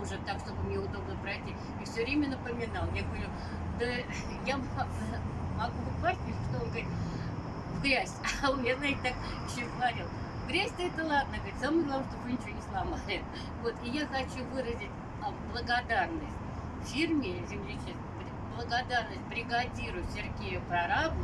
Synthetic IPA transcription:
uʐɨt̪ːakʂt̪o̞bɨmnʲeʊd̪o̞bnəpɾɐɪtʲi | ifsʲɵvɾʲemʲənəpəmʲɪnalˠjaɡəvɐɾʲu | d̪ə | jama | mɐɡuʊpasʲt̪ʲɪtʲʂt̪oonɡɾʲɪt̪ʲ | vɡɾʲæsʲaonmjeznatʲɪt̪ak | jɪɕːoɡəvɐɾʲilˠ | vɡɾʲæsʲtʲɛt̪əlˠad̪̚nəɡəɪtʲsamɨɡlˠɐvaʂt̪ovɨnʲɪt͡ɕʲvonʲɪslˠɐmalʲɪt̪ | vo̞t̪ɪjaxɐt͡ɕuvɨɾəzʲɪtʲ | ɐblˠəɡɐd̪arnəsʲtʲ | fʲirmʲɪzʲɪmlʲɪt͡ɕist̪bɾʲɪblˠəɡɐd̪arnəsʲt̚ʲbɾʲɪɡɐdʲiɾʊjʲsʲɪrɡʲejʊpɾɐɾab

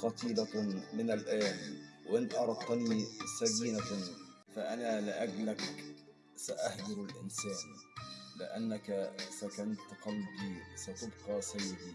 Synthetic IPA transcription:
qɑt̪iːlamɪnalʔaːnwʔɪnʔɑɾˤɑt̪̚ːɑniːsafiːna | faʔanaːlɪʔaɡlak | saʔahd̪ɑɾalʔɪ̰nsæːnlɪ̰ʔanːakasakanat̪ːqɑlbiːsat̪ʊbqɑːsajːɪd̪iː

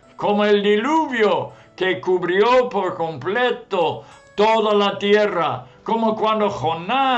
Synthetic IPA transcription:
komoeld̪iluβjo | kekuβɾjopoɾkomplet̪o | t̪oðalat̪jerakomokwãnd̪oxona

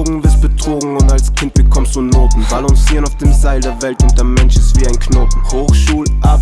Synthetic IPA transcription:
ɡŋ̩vɪɐst̚b̥ət͡sʁ̥oːɡŋ̩ʊntalskʰɪnt̚b̥əkʰɔmstd̥uːnoːtn̩balɔŋsiːʁənaʊfd̥eːmzaɪldeːɐvɛltʊndɐɐmɛnʃɪstv̥iːaɪnkʰnoːp̩hoːxʃuːlʔap

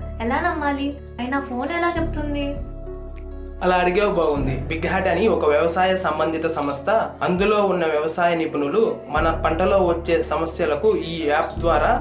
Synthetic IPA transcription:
ɛlaːnɐmːaːli | ɐjɐnɐpʰo̞ːnɛlaːt͡ʃebut̪und̪i | ɐlaːɐɽiɡeːwɐbɐːɡund̪ibiɡɦaːʈɐniɔkɐʋjɐʋɐsaːjɐsɐmbɐnd̪ʱit̪ɐsɐmɐst̪ʰɐɐnd̪ulo̞ːunːɐʋjɐʋɐsaːjɐnipɐnulumɐnɐpɐɳʈɐlo̞ːʋɐt͡ʃːe̞ːsɐmɐsjɐlɐkuiːaːp̚d̪ʋaːɾaː

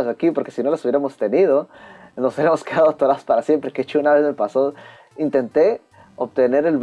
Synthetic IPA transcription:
zakipo̞ɾke̞sino̞lasuβjeɾamo̞st̪e̞nið̞o̞nosoeɾamo̞skeðaðot̪oɾaspaɾasje̞mpɾekeet͡ʃounaβe̞zme̞paso | int̪e̞nt̪e̞ | oβt̪e̞ne̞ɾe̞lβ

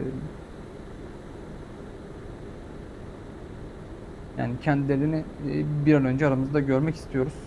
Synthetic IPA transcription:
ja̰ːnicʰɛnd̪ilʲe̞ɾinibiɾanø̞nd͡ʒɛaɾamɯzd̪aɟø̞ɾmɛci̥st̪ʰijo̞ɾuz̥

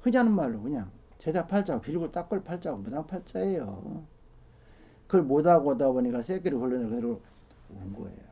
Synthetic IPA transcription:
hɯd͡ʑanɯnmaɭːokɯɲaŋ | t͡ɕedapʰaɭt͡ɕ͈aɡopiɭɡut͈ak͈ɯɭpʰaɭt͡ɕ͈aɡomodaŋpʰaɭt͡ɕ͈aejo̰ | kɯɭmodaɡotaboɲik͈asʰeɡeɾɯhʰoɭːɯnɯɭkɯɯɾo | oŋɡo̰ḛjo

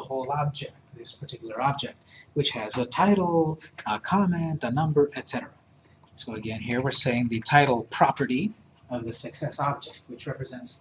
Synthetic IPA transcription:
əhoʊlˠɑb̚d͡ʒɛk̚t̚ðɪspʰə˞tʰɪkjl̩ˠə˞ɑb̚d͡ʒɛk̚t̚wɨt͡ʃhɨzətʰaɪɾl̩ˠəkʰɑmɛ̃ntənʌ̃mbə˞ʔɨtsɛɾə˞ə | soʊɨɡɛ̃nɦiɹwɨɹseɪɪ̃ŋðɨtʰaɪɾl̩ˠpʰɹ̥ɑpə˞ɾi | ʌvðɨsɨksɛsɑb̚d͡ʒɛk̚t̚wɨt͡ʃɹɛpɹɨzɛ̃nts

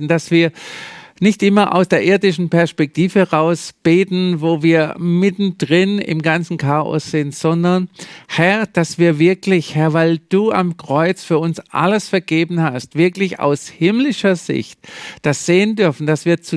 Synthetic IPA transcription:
n̩d̥asv̥iːɐnɪçtʔɪmɐʔa̰ʊsd̥eːɐʔɪɐdɪʃn̩pɛɐspɛk̚tʰiːvəhɛʁaʊsb̥eːtn̩voːviːɐmɪtn̩d̥ʁɪnɪ̰mɡant͡sn̩kʰaːɐɔ̰sz̥ɪntz̥ɔndɐnhɛɐd̥asv̥iːɐvɪɐklɪçhɛɐvaɪld̥uːʔa̰mkʁ̥ɔʏt͡sfyːɐʊnsʔa̰ləsfɛɐɡ̥eːbn̩hastv̥ɪɐklɪça̰ʊshɪmlɪʃɐzɪ̰çt̚d̥asz̥eːəndʏɐfn̩d̥asv̥iːɐt͡su

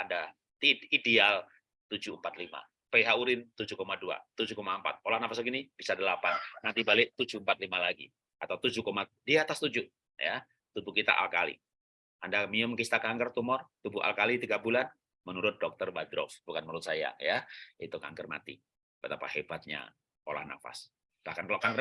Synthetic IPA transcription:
anda | ideal | t̪ud͡ʒumpat̪lima̰ | peɦauɾɪnt̪ud͡ʒukomadua̰t̪ud͡ʒukomampa̰t̪̚olahnapas̬aɡinib̥isadəlapanːat̪ibalɪʔt̪ud͡ʒuəmpat̪̚limalaɡḭ | ʔat̪awt̪ud͡ʒukomadiaat̪ast̪ud͡ʒu | ja̰ | t̪ubukit̪a̰ʔa̰lkalḭ | ʔandamiʊmkist̪akaŋɡərt̪umɔrt̪ubuʔa̰lkalit̪iɡabulan | mənuɾʊt̪̚dɔk̚t̪ərbad̪ɾɔ̰fb̥ukanməɾʊt̪̚saja̰jait̪uka̰ŋɡərma̰t̪ḭ | bət̪apa̰hebat̪̚ɲa̰ | o̰la̰hna̰fa̰s | b̥ahkankalaʔkaŋɡə

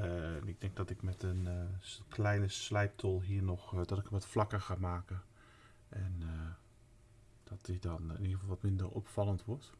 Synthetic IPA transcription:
ənɪɡ̚dɛŋɡ̚dɔtɪkmɛtənkʰlɛjnəslɛjp̚tʰɔlˠɦiənɔxdɔtɪkəʋɔtflɑkərxaːmaːkə | ʔɛnə | d̥ɔtɪdɔnɪnifɑlˠʋɔtmɪndəro̰pfɑlˠəntʋɔrt

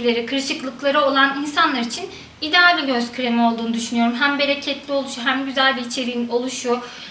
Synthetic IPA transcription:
lʲe̞ɾikʰɯɾʃɯklˠɯklˠaɾɯo̞lˠaninsanlˠaɾit͡ʃʰin | id̪ɛalʲiɟø̞zcʰyɾe̞mɛo̞lˠd̪uːnud̪yʃynyjo̞ɾumɦæmbe̞ɾecʰɛt̪lʲio̞lˠuʃuɦæmɟyzælʲbiːt͡ʃʰe̞ɾiino̞lˠuʃu

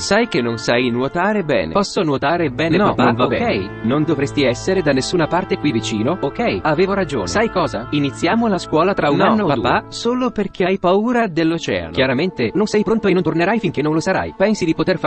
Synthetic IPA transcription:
sajk̟enːonsajnwot̪aːɾebɛ̰ːnḛpɔsːonwot̪aːɾebɛːnenɔpapaaokɛɛj | nond̪ovɾest̪iɛsːeɾed̪anːesːuːnapart̪ekwivit͡ʃḭːnookɛjaveːvoɾad͡ʒo̰ːnsajkɔːzainit̪sːjaːmolaskwɔːlat̪ɾaunanːodpaupasoːloperk̟eajpauːɾad̪elːot͡ʃɛ̰ːa̰nkjaɾament̪enonsɛjpɾont̪oenːont̪orneɾajfiŋk̟enːõnlosaɾa̰jpɛnsid̪ipot̪erf

